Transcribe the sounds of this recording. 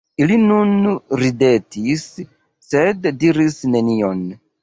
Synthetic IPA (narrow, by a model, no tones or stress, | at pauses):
ilinunɾidetʰisː | eddiɾisnenion